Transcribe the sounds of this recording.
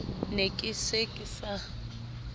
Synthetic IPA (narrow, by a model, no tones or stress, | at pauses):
nekʼɪsekʼɪsa